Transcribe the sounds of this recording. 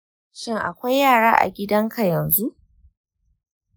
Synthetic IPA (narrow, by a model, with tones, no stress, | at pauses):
ʃɪ˦˨ŋʔa̰˨kʷa˦jːaː˦˨ɽaː˦ʔa̰˨ɡʲɪ˦dɐ˦ŋkʰa˨jɐ˨nzu˦ʔ